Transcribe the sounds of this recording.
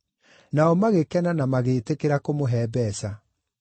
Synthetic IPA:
naɔmaɣekɛnanamaɣeːtekeɾakomoɦɛːbɛsa

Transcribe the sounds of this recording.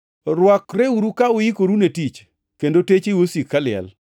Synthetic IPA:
ɾwɔkɾeuɾukaʊjikoɾunetit͡ʃ | kendotet͡ʃewosikːalɪɛ̰l

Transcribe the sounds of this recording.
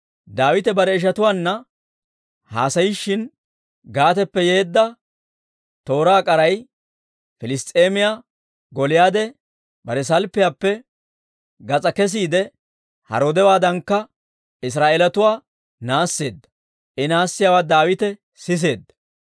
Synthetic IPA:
d̪aːwɪt̪ɛbɐɾɛɪʃ̬ɐt̪ʊwaːnːɐ | ha̰ːsɐjɪʃːɪn | ɡaːt̪̬ɛpːɛjeːd̪ːɐ | t̪o̞ːɾaːkʼɐɾɐj | fɪlɪst̪ʼeːmɪjaː | ɡɔlɪjaːd̪ɛ | bɐɾɛs̬ɐlpːɪjaːpːɛ | ɡɐt͡sʼɐkɛs̬iːd̪ɛ | hɐ̰ɾoːd̪ɛwaːd̪ɐŋkːɐ | ɪs̬ɾaːʔelɐt̪ʊwaː | naːsːe̞ːd̪ːɐ̥ | ʔɛnaːsːɪjaːwaːd̪aːwɪt̪ɛ | sɪs̬e̞ːd̪ːɐ̥

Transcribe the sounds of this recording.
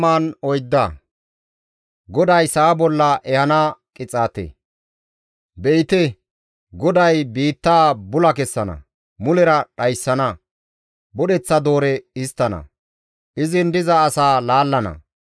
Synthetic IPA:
aːnɔjd̪ːɐ | ɡɔd̪ɐjsɐaːbɔlːɐʔɛhɐnaːkʼɪt͡sʼaːt̪ḛ | bɛɪt̪ɛ | ɡɔd̪ɐjbiːt̪ːaːbʊlɐkɛsːɐnɐ̰ | mʊlɛɾɐɗɐjsːɐnɐ | bɔɗɛt͡sːɐd̪o̞ːɾɛɪst̪ːɐnɐ̰ | ʔɪzɪnd̪ɪzɐːsaːlaːlːɐnɐ̰

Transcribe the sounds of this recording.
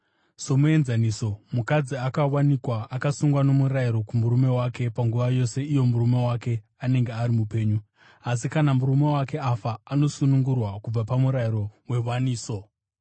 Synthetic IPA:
somue̞nzaniːso̞mukad͡ziakawanikwaakasuŋɡwano̞muɾaiɾo̞kumuɾume̞wake̞paŋɡuʋajo̞se̞ijo̞murume̞wake̞ | ane̞ŋɡeaɾimupe̞ːɲu | as̬ikanamuɾume̞wake̞afaːno̞sunuŋɡurwakub͡vapamuɾaiɾo̞we̞waniːso̞

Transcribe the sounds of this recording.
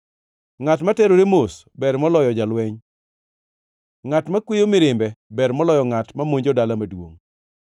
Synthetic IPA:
ŋatmatɛɾoɾemos | bɛɾmɔlɔjɔd͡ʒalwɛɲ | ŋatmakwejomɪɾɪmbɛbɛɾmɔlɔjɔŋatmamoɲd͡ʒodalamadwo̰ŋ

